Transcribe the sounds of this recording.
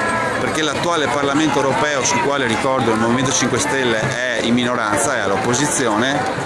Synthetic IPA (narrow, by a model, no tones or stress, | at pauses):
perkelat̪ːuaːleparlament̪oewɾopɛːosulkwaːleɾikɔrd̪oilmovimẽnt̪ot͡ʃiŋkwest̪elːeʔɛimːinoɾant̪saɛalːopːozit̪sːjoːne